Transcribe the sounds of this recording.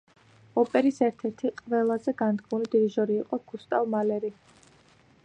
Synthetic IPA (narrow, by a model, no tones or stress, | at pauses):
ɔpʼɛɾisɛɾt̪ʰɛɾt̪ʰiqʼvɛlˠazɛɡand̪ɡmulid̪iɾiʒɔɾiːqʼɔɡ̥ust̪ʼavmalɛɾi